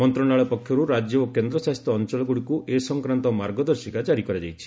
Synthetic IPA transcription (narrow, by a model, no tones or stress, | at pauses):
mɔnt̪ɾɔɽaɭɔpɔkʰjɔɾuɾad͡ʒjɔokend̪ɾɔsast̪ɾɔːnt͡ʃɔlɔɡuɽikuʔesɔŋkɾant̪ɔmaɾɡɔd̪ɔɾsikad͡ʒaɾikɔɾad͡ʒajt͡ʃʰi̥